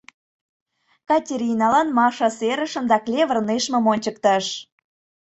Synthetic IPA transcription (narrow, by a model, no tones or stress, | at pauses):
kɑtʲeɾʲinɑlɑnmɑʃɑseɾə̆ʃə̆md̪ɑklʲeβə̆rneʃmə̆monʲt͡ɕə̆k̚t̪ɑʃ